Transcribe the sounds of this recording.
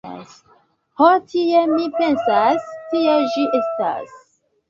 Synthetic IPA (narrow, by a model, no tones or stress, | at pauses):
s | hotʰiemipe̞nsastieʒiʔesta̰s